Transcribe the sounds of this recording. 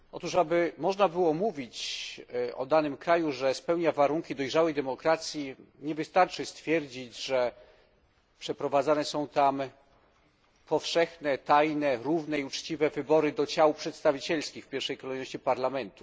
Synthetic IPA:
ʔɔ̰t̪uʂabɘmɔʐnabɘwɔmuvʲit͡ɕ | ɔ̰d̪anɘmkɾajuʐɛspɛwɲavaɾuŋkʲid̪ɔjʐawɛjd̪ɛmɔkɾat̪sʲjiɲɛvɘst̪aɾt͡ʂɘst̪fʲjɛɾd͡ʑid͡ʑʐɛ | pʂɛpɾɔvad̪zanɛsɔ̃w̃t̪am | pʰɔfʂɛxnɛt̪ajnɛɾuvnɛiut͡ʂt͡ɕivɛvɘbɔɾɘd̪ɔt͡ɕawpʂɛt̪st̪avʲit͡ɕɛlskʲixfpʲjɛɾfʂɛjkɔlɛjnɔɕt͡ɕipaɾlamɛnt̪u̥

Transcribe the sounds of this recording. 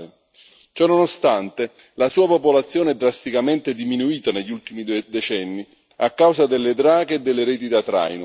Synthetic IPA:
t͡ʃɔnːonost̪ant̪e | lasuːapopolat̪sːjoːneɛd̪ːɾast̪ikament̪ɪd̪iminuiːt̪aneʎːult̪imid̪et͡ʃɛnːi | akːawzad̪elːed̪ɾaːɡeːd̪ːelːeɾeːt̪̬id̪at̪ɾa̰jnʊ

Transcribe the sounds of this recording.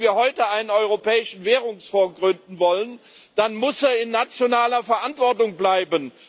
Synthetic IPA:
viːɐhɔʏtəaɪnənɔʏʁopʰɛːɪʃn̩vɛːʁ̞ʊŋsfoːɐɡʁʏndn̩vɔlən | d̥anmʊseːɐɪnːat͡sjonaːlɐfɛɐʔantv̥ɔɐtʊŋblaɪbən

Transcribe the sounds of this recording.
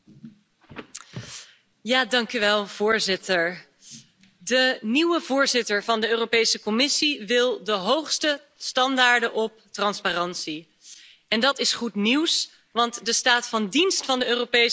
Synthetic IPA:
jaːdɑŋkyʋɛlˠv̥ʊːɹzɪtəɹ | dəniwəvʊːɹzɪtəɹvɑndəøːrowpejsəkɔmɪsiʋɪlˠdəɦowχstə | stɑndaːɹdəʔɔp̚trɑnsparɑnsi | ɛndɑtɪsχutniws | ʋɑntdəstaːtfɑndinstfɑndəøːropej

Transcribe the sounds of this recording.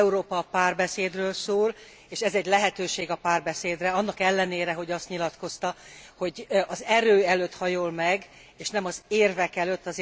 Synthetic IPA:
uɾoːpɒpaːrbɛseːd̪røːlsoːl | eːʃɛzɛɟlɛɦɛt̪øːʃeːɡɒpaːrbɛseːd̪rɛɒnːɒkɛlːɛneːɾɛɦo̞ɟɒst̪ɲilɒt̪ko̞st̪ɒho̞ɟʔɒzɛɾøːɛløt̪hɒjolmɛɡ | eːʃnɛmɒzeːrvɛkɛløt̪ːɒz

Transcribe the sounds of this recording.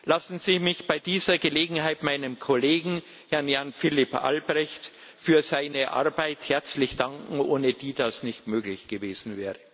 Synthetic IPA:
lasn̩zimɪçb̥aɪdiːzɐɡəleːɡŋ̩ɦaɪtmaɪnəmkʰɔleːɡŋ̩ | hɛɐnjanfɪlɪpʔa̰lbʁɛçt | fyːɐzaɪnəʔa̰ɐbaɪthɛɐt͡slɪçd̥aŋkŋ̩ʔoːnəd̥iːd̥asnɪçtmøːklɪçɡ̥əveːzn̩vɛːʁə

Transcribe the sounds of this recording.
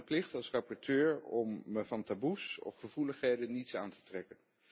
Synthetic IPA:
əplɪχtɑlˠsrɑpɔɹtøːɹɔməvɑntabusɔ̰fχəvuləχɦejdənitsa̰ːntə̥trɛkən

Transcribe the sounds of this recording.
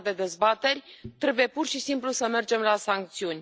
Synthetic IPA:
d̪e̞d̪e̞zbat̪e̞rʲt̪ɾe̞buje̞purʃisimplusəme̞rd͡ʒe̞mlasaŋk̚t̪siunʲ

